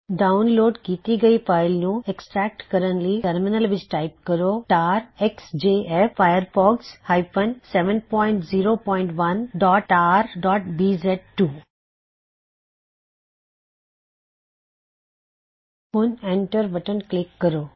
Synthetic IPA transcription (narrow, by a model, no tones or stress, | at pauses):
ɖaːʊnloːɖkiːt̪iɡɐipaːɪlnũeksʈɾɛːk̚ʈkəɾənliʈəɾmɪnəlʋɪt͡ʃʈaːɪp̚kəɾoːʈaːɾeksd͡ʒeːeffaːjəɾfɔːkshaːɪpʰənseʋənpɔːɪɳʈziːɾopɔːɪɳʈʋɐnɖɔːʈaːɾɖɔːʈbiːzeɖʈuː | ɦʊnẽɳʈəɾʋɐʈənklɪkːəɾoː